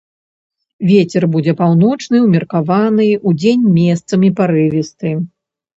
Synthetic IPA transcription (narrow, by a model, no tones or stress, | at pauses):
vʲet͡sʲɛrbud͡zʲɛpawnɔt͡ʂnɨwmʲɛrkavanɨud͡zʲenʲmʲest̪sɐmʲipaɾɨvʲist̪ɨ